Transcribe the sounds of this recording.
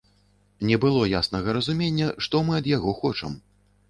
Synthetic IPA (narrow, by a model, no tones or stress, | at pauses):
nʲɛbɨlˠɔjasnɐɣɐɾɐzumʲenʲːɐʂt̪ɔmɨɐd̪jaɣɔxɔt͡ʂɐ̰m